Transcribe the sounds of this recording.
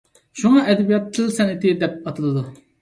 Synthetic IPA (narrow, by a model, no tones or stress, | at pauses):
ʃuŋɑʔɛd̪ɛbijɑt̪ːɨlˠsɛnɪt̪ɪd̪ɛp̚ɑt̪ʰɨlˠɨd̪u